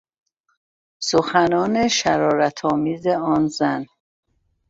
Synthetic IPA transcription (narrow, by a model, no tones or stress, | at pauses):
soxænɒːneʃæɾɒːɾæt̪ʰɒːmiːzeɒːnzæn